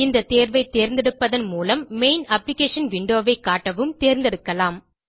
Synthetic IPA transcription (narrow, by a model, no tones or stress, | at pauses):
ɪnd̪ɐt̪eːɾʋɐɪt̪ːeːɾnd̪ɛɽɯpːɐðɐnmuːlɐmːeɪnɐplɪkeːʂɐnʋɪɳɖoːʋɐɪkːaːʈːɐʋɯmt̪eːɾnd̪ɛɽɯkːɐlaːm